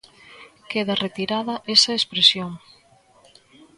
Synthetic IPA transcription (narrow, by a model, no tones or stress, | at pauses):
keðɐret̪iɾaðɐʔesɐespɾesjoŋ